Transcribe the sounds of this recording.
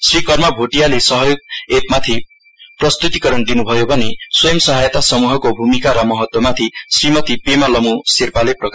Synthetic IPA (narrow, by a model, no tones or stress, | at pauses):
srikʌrmʌbʱoʈijalesʌɦʌjoɡ̚et̪̚mat̪ʰi | prʌst̪ut̪ikʌɾʌnd̪inubʱʌjobʱʌneswʌjʌmsʌɦajt̪asʌmuɦʌkobʱumikaɾʌmʌɦʌt̪wʌmat̪ʰisrimʌt̪ipemʌlʌmusirpaleprʌka